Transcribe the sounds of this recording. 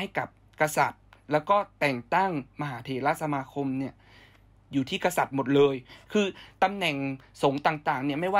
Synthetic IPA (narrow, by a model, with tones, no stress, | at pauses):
a˥˩jka˨˩p̚ | ka˧sa˨˩t̪̚lɛː˦˥wkɔː˥˩t̪ɛː˨˩ŋt̪a˥˩ŋma˧ɦaː˩˦t̪ʰeː˧˩laː˦˥˩t̪̚sa˧maː˧kʰo˧mni˥˩ɐ | juː˨˩t̪ʰiː˥˩ka˧sa˨˩t̪̚mo˨˩t̪̚lɤː˧jkʰɯː˧t̪a˧mnɛ˨˩ŋso˩˦ŋt̪aː˨˩ŋt̪aː˨˩ŋni˥˩ɐma˥˩jwaː˥˩